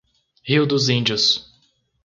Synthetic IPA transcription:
hiwd̪ʊzĩnd͡ʒʊs

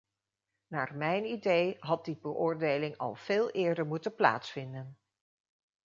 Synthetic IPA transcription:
naːrmɛjnidejɦɑt̚dibəʔʊːɹdejlɪŋɑ̰lˠv̥eːlˠɪːɹdəɹmutənpla̰ːtsfɪndən

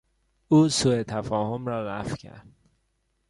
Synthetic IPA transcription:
uːsuːet̪ʰæfɒːhomɾɒːlæ̰fcʰæ̰ɾd̪̥

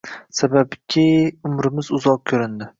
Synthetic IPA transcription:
sababkʲʰɪʊmɾɪmɪzʊzɒq̚kʲʰɵɾɪnd̪ɪ

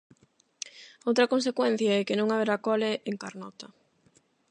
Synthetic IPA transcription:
owt̪ɾɐkõnsekwɛn̟θjaɛkenõŋaβeɾakɔleʔeŋkaɾnɔt̪ɐ

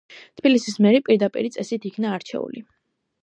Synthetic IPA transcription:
t̪ʰb̥ilisismɛɾipʼiɾd̪apʼḭɾit̪sʼɛsit̪ʰikʰnaːɾt͡ʃʰɛ̰ṵlḭ

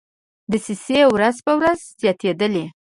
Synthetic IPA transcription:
d̪əsisewɾazpəwɾazz̥jɑt̪ed̪əle

